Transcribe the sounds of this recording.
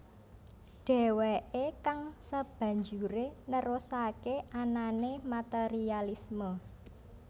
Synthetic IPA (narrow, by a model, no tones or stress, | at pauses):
ɖ̥ɛ̤weʔekaŋsəb̥ä̤ɲd͡ʒuɾenəɾosakeʔananemat̪eɾialismə